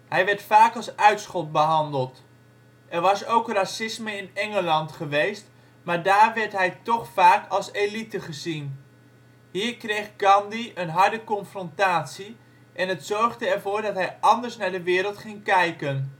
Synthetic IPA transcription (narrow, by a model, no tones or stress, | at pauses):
ɦɛjʋɛɹtfaːkɑlˠsœɥtsχɔt̚bəɦɑndəlˠt | ʔɛɹʋɑsowkrasɪsməɪnɛŋəlɑntχəʋejst | maːɹdaːrʋɛɹtɦɛjtɔχfaːkʰɑlˠselitəχəzin | ɦiːɹkrejχɡɑndiənɦɑɹdəkɔnfrɔntaːtsi | ʔɛnɦətsɔɹχdəɛɹvoːɹdɑtɦɛjɑndəɹsnaːɹdəʋɪːɾəlˠtχɪŋkɛjkən